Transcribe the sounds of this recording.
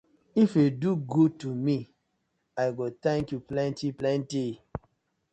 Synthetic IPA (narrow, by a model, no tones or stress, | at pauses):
ifeduɡutumi | aɪɡot̪ɛ̃ŋkjuplɛ̃ntiplɛ̃nti